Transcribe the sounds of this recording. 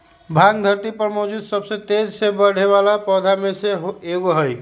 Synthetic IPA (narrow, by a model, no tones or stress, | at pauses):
bʱaɡd̪ʱəɾt̪ipəɾmɔd͡ʒud̪səbsẽt̪ed͡ʒsebəɽ̤eβalapɔd̪ʱameseɦoeɡoɦəj